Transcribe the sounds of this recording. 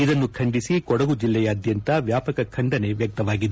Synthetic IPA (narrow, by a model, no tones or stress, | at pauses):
id̪ɐnːukʰɐɳɖisikɔɽɐɡud͡ʒilːɛjɐːd̪jɐnt̪ɐʋjaːpɐkɐkʰɐɳɖɐne̞ʋjɐk̚t̪ɐʋaːɡid̪u